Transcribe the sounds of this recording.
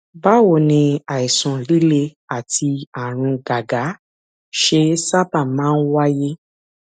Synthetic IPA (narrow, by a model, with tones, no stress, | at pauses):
ba˦wo˦˨nĩ˧a˨i˨sɔ̃˨li˦le˧ | a˨ti˧a˨ɾ̃ũ˧ɡa˨ɡa˨˦ | ʃe˧sa˦ba˦˨mãː˦˧˦n̩˦wa˦je˦